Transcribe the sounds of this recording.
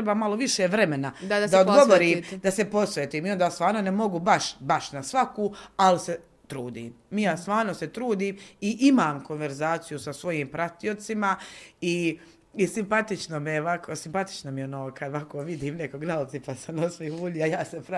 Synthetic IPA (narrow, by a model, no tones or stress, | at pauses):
ɾebaːmaloʋiʃeʋɾe̞me̞nad̪aod̪ɡoʋoɾiːmd̪asepo̞sʋeːt̪iːmiond̪aːst̪ʋaːɾno̞nemo̞ɡubaʃbaʃnasʋakuːalise | t̪ɾuːd̪ḭːmːijaːst̪ʋaːɾno̞set̪ɾuːd̪iːmiʔimaːmko̞nʋeɾzaːt̪sijusasʋo̞jiːmpɾat̪io̞t̪simai | isimpat̪it͡ʃnomieʋakʰosimpat̪i̥t͡ʃnomionoːkad̪ʋakoːʋid̪iːmnekoɡnalipasamnosʋihuːʎiajaːsepɾa